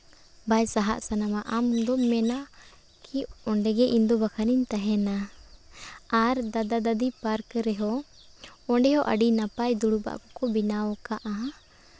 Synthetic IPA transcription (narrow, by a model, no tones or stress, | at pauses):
bajsaɦa̰ʔsanamaʔamd̪ɔmɛna | kiɔɳɖɛɡɛʔind̪ɔbakʰaniɲt̪aɦɛna | aɾd̪ad̪ad̪ad̪ipaɾkɾɛɦɔ | ɔɳɖɛɦɔʔa̰ɖinapajd̪uɽuba̰ʔkɔ̥kɔbinawɔkaʔa